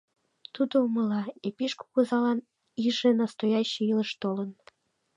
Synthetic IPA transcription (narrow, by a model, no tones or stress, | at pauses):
t̪ud̪ouməlɑepiʃko̥kuzɑlɑn | iʒenɑst̪ojɑɕeiləʃt̪olən